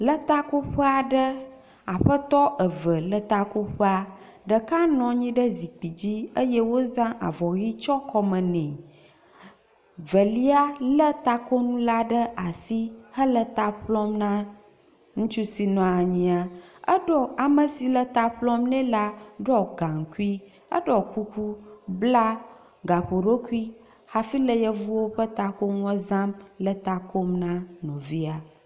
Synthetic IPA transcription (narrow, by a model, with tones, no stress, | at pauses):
lə˦t̪a˦ko˦ɸə˦a˨ɖə˦ | a˨ɸə˦t̪ɔ˦ʔə˨və˨lə˨t̪a˨ku˦ɸə˦a˨ | ɖə˨ka˦nɔ̃˨ɲĩ˦ɖə˦zi˨k͡pi˨d͡ʑi˦ə˦jɛ˦wo˦zã˦ʔa̰˨vɔ˨ɣi˦t͡ʃɔ˦kɔ˦mə̃˨nɛ̃˨ | və˨li˦a˦lə˦t̪a˨ko˦nũ˦la˦ɖə˦ʔa˨si˦hə˦lə˨t̪a˨ɸlɔ˦mnã˦ | ŋũ˦t͡ʃu˦si˨nɔ̃˨a˨ɲĩ˨a˨ə˦ɖɔ˦a˨mə˨si˨lə˦t̪a˨ɸlɔ̃˦mnɛ̃˦la˦ɖɔ˦ɡã˨ŋ˨ku˦i˦ | ə̰˦ɖɔ˨ku˦kʰu˦bla˦ | ɡa˨ɸo˨ɖo˦ku˦i˦ | ha˨fi˦lə˦jə˦vu˦wo˦ɸə˦t̪a˨ko˦ŋũ˦ə˦zã˦mlə˦t̪a˨ko˦mnã˦nɔ̃˨vi˦a˨